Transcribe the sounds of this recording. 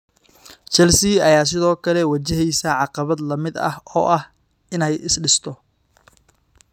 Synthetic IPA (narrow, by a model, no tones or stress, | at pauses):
t͡ʃɛlsɪɐjaːs̬ɪðɔːkʰɐlɛwɐt͡ʃɛɦɛjsɐʕɑqɑβɐd̪lɐmɪd̪ɐ̰hɔ̰ːʔɐh | ɪnɛjɪsɖɪst̪ʰɔ